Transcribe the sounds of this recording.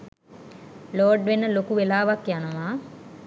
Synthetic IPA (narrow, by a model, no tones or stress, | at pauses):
loːɖʋenːəlokuʋelaːʋakjanəʋaː